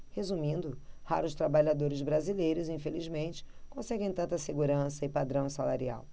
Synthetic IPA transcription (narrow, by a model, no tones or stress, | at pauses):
hezumĩnd̪ʊhaɾʊst̪ɾabaʎad̪oɾɪzbɾazilejɾʊzĩfelizmẽnt͡ʃɪ̥kõsɛɡẽj̃t̪ɐ̃nt̪ɐseɡuɾɐ̃sɐɪpad̪ɾɐ̃w̃salaɾia̰w